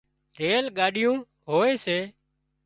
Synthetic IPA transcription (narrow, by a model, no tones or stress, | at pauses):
ɾeːlɠaːɗɪjũː | ɦoːeːseː